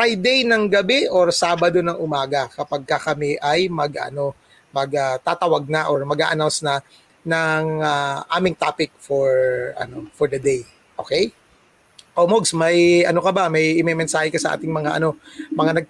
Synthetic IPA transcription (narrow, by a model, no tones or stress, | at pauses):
fɹajd̪ejnɐŋɡɐbɛʔoɹsaːbɐd̪o̞nɐŋʔʊmaːɡɐkɐpɐɡ̚kɐkɐmɛʔɐjmɐɡʔɐ̰no̞ | mɐɡɐt̪at̪ɐwɐɡ̚nɐʔoɹmɐɡa̰ʔɐnawnsnɐ | nɐŋaʔaːmɪŋt̪aːpɪk̚foɹʔɐ̰no̞fɔɹd̪ɐd̪ej | ʔokɛj | ʔolmoɡsmɐjʔɐno̞kɐbamɐjʔɪmɛjmɛnsaːhɪkɐsɐʔa̰ːt̪ɪŋmɐŋaʔɐ̰no̞mɐŋanɐɡ̚